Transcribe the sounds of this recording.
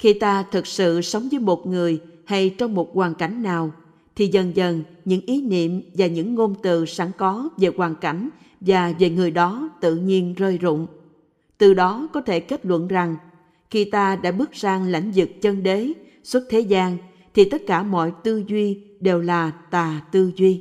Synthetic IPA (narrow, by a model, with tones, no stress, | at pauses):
xi˧t̪aː˧t̪ʰɨ˨˩k̚sɨ̰˧˨sə˨˦wŋ͡mvəː˨˦jmo˨˩t̚ŋɨ˨˩əjha˧jt͡ɕɔ˧wŋ͡mmo˨˩t̚kwaː˨˩nka˧˩jŋ̟naː˨˩w | t̪ʰi˨˩zə˨˩nzə˨˩nɲɨ̰˧˥ŋʔi˨˦nḭ˧˨əmvaː˨˩ɲɨ̰˧˥ŋːo˧nt̪ɨ̰˧˨saː˨˧˦ŋkɔ˨˦ve˨˩kwaː˨˩nka˧˩jŋ̟ | vaː˨˩ve˨˩ŋɨ˨˩əjɗɔ˨˦t̪ɨ̰˧˨ɲi˧ənzəː˧jzʊ̰˧˨ŋ͡m | t̪ɨ˨˩ɗɔ˨˦kɔ˨˦t̪ʰe˧˩ke˦˥t̚lwə̰˧˨nza˨˩ŋ | xi˧t̪aː˧ɗa̰ː˧˥ɓɨ˦˥ək̚zaː˧ŋla̰˧˥jŋ̟zɨ˨˩k̚t͡ɕə˧nɗe˨˦ | swə˦˥t̚t̪ʰe˨˦zaː˧ŋ | t̪ʰi˨˩t̪ə˦˥t̚kaː˧˩mɔ̰˧˨jt̪ɨ˧zwi˧ɗe˨˩wlaː˨˩t̪aː˨˩t̪ɨ˧zwi˧